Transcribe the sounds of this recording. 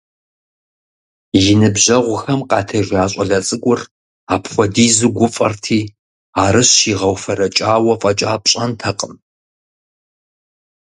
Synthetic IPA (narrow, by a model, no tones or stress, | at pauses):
jɪnɨbʑɐʁʷʊxɐmqɑːtʰɐʒaːɕʷʼɐɮɐt͡sʼɨɡʷʼʊr | aːpχʷɔdiːzɨɡʷʊfʼɐrtʰiː | aːɾɨɕiːʁɐwfɐɾɐt͡ʃʼaːwɐfʼɐt͡ʃʼaːpɕʼɐntʰɐqʼəm